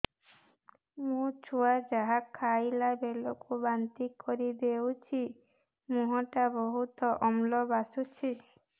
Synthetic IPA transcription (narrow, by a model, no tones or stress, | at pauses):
mũt͡ʃʰuad͡ʒaɦakʰːajlabelokubant̪ikɔɾid̪ewt͡ʃʰi | muɦaʈabɔɦut̪ɔʔɔmlɔbasut͡ʃʰi